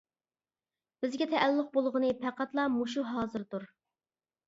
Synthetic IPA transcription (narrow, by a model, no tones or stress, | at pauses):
b̥ɪzɡʲɛt̪ʰɛʔːlːʊq̚bolˠʁənɨpʰæqʰɑt̪lˠɑmuʃuɦɑːzɨɾd̪uɾ